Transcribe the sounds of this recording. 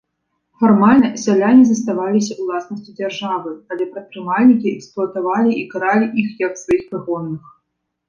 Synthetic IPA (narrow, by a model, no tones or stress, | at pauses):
fɔrmalʲnɐsʲalʲanʲizɐst̪avalʲisʲɐulˠasnɐsʲt͡sʲid͡zʲarʐavɨalʲɛpɾɐt̪̚pɾɨmalʲnʲikʲiɛksplˠʊɐt̪avalʲiikaɾalʲiʔixjɐksvajixpɨɣɔnːɨx